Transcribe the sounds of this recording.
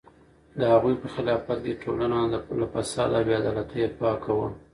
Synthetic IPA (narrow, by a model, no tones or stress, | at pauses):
d̪əhaɣujpəxɪlɑfat̪̚keʈʰolanalafasɑd̪awjad̪ɑlat̪əjapɑkʰawə